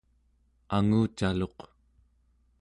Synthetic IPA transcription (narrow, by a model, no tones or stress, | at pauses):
aŋuːt͡ʃalo̞q